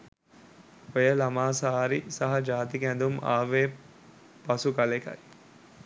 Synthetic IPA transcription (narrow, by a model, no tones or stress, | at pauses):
ojəlamaːsaːɾisaɦɐd͡ʒaːt̪ikænd̪uma̰ːʋeː | pɐsukalekɐ̰j